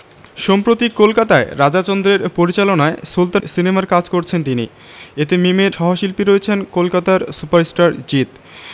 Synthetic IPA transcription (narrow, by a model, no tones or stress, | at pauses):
ʃɔmpɾot̪ikːolkat̪aeɾad͡ʑat͡ɕond̪ɾeɾpoɾit͡ɕalonaesult̪sinemaɾkad͡ʑkoɾt͡ɕʰent̪ini | et̪emimeɾʃɔɦoʃilpiɾoet͡ɕʰenkolkat̪aɾsupaɾesʈaɾd͡ʑit̪